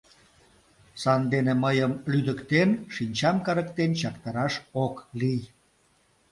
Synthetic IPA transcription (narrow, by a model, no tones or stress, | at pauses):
sɑnd̪eneməjəmlyd̪əkt̪enʃinʲt͡ɕɑmkɑɾəkt̪ent͡ɕɑkt̪ɑɾɑʃoklij